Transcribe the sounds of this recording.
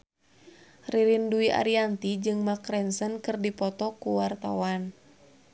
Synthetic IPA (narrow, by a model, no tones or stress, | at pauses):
riɾinduiʔa̰ɾiant̪id͡ʒɨŋmakɾɛnsənkɨrdipɔt̪ɔkuwart̪a̰wan